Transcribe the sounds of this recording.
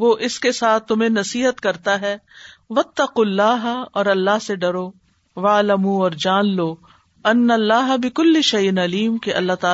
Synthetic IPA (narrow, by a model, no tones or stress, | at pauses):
ʋoːʔɪskesaːt̪̚ʰːʊmẽnɐsiːɦət̪kɐɾt̪aɦɛː | ʋɐt̪ːɐqulːaːɦɔːɾɐlːaɦseɖɐɾoː | ʋaːlɐmuɔːɾd͡ʒaːnloː | ɐnːɐlːaːɦɐbɪkʊlːɪʃɐjɪnɐliːmkeʔɐ̰lːaɦt̪aː